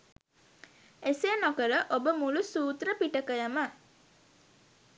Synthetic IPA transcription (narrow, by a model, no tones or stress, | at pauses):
esenokəɾəʔobəmulusuːt̪ɾəpiʈəkəjəmə